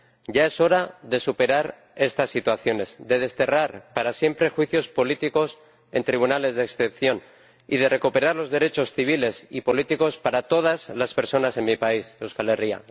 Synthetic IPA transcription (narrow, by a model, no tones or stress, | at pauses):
ɟ͡ʝae̞so̞ɾaðe̞supe̞ɾaɾ | e̞st̪asːit̪waθjo̞ne̞zd̪e̞ð̞e̞st̪e̞raɾpaɾasje̞mpɾe̞xwiθjo̞spo̞lit̪iko̞s | e̞nt̪ɾiβ̞unale̞zðeksθe̞pθjo̞n | ḭð̞e̞re̞kupe̞ɾaɾlo̞zðe̞ɾe̞t͡ʃo̞sθiβ̞ile̞sipo̞lit̪iko̞spaɾat̪o̞ð̞azlaspe̞ɾso̞nase̞nmipaisewskaleria̰